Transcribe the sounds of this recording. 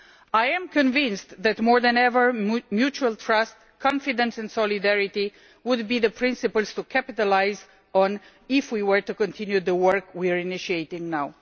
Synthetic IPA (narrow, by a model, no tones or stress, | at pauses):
ajɛ̃mkɔ̃nvɪ̃nstðætmɔɹðɛ̃nɛvə˞mjut͡ʃuəlt̪ʰɹʌst | kʰɑ̃nfidə̃nsɛ̃nsɔlidɛɹiti | wʊd̚biðəpʰɹɪ̃nsɨpəlˠz̥tukʰæpɪtəlaɪz | ɔ̃n | ɪfwiwə˞tukɔ̃ntʰɪ̃njuðəwəɹkwiaɹinɪʃieɪtɪ̃ŋnaw